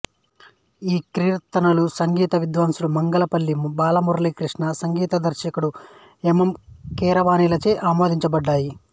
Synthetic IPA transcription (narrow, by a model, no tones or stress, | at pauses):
iːkɾiːɾɐt̪ːɐnɐlusɐŋɡiːt̪ɐʋid̪ʋɐːmsuɽumɐŋɡɐlɐpɐlːibaːlɐmuɾɐlikɾiʂɳɐsɐŋɡiːt̪ɐd̪ɐɾʃɐkuɽu | emɐmkɛːɾɐʋaːnilɐt͡ʃeːʔaːmoːd̪iɲt͡ʃɐbɐɖːaːji